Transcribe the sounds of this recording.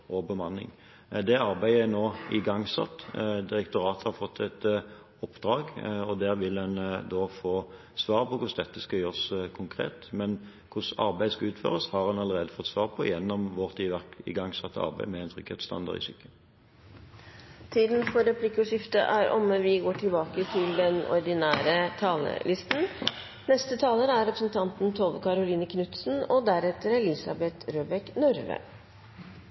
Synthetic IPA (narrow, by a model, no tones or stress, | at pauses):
ʔɔbəmɑnːɪ̰ŋ | d̪ɛɑʁbæɪəɛnoːɪɡɑŋːsɑ̰t̪ːd̪ɪʁɛkt̪ʊʁɑːt̪hɑʁfɔt̪ʰːɛt̪ | ɔpːd̪̥ʁɑːɡɔd̪æːʁʋɪlɛnd̪ɔfoː | sʋɑːʁpʰɔkʰʊsd̪ɛt̪ːəskɑjøːʁskʰʊŋkʰʁḛːt̪mɛn | kʰʊsɑ̰ɾbæɪəskɑʉːt̪fø̰ːʁəshɑʁhɑnɑlːəʁeːd̪əfɔt̪ːsʋɑːʁpʰɔjɛnːɔmʋɔʁt̪ʰiːʋæʁkɪ̰ɡɑŋːsɑt̪ʰːɑ̰ʁbæɪmɛæɪnt̪ʁʏkhḛt̪st̪ɑ̰nd̪ɑ̰ʁɪ̰sʏkːə | t̪ʰiːd̪nfɔɾɛpʰlɪkːʊʂɪft̪ə̰ʔæɾʔɔmʋɪɡoːʈʰɪlbɑːkət̪ʰɪld̪ɛnɔ̰ɾd̪ɪnæːɾət̪ʰɑːlə̰lʔɪst̪n̩ | nɛst̪ət̪ʰɑːləɾæɾɛpɾəsn̩t̪ʰɑnt̪nt̪ʰoːʋəkʰɑɾʊliːnəkʰnʉt̪sn̩ɔd̪æɾɛt̪ːəɾlɪsɑbɛt̪ɾøːbɛknʉɾʋə̰